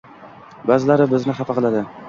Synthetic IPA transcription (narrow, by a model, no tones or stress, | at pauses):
bazɪlaɾɪbɪznɪχafɑqɨlˠad̪ɪ